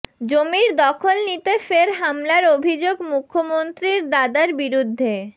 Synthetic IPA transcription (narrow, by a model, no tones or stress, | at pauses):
d͡ʑomiɾd̪ɔkʰolnit̪efeɾɦamlaɾobʱid͡ʑoɡmukʰːomont̪ɾiɾd̪ad̪aɾbiɾud̪ʱːe